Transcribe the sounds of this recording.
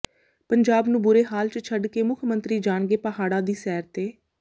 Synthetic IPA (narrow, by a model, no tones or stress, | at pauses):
pəɲd͡ʒaːbnũːbʊɾeːɦaːlt͡ʃət͡ʃʰəɖkeːmʊkʰmə̃nt̪ɾiːd͡ʒaːnɡeːpəɦaːɽãːd̪iːsɛːɾt̪eː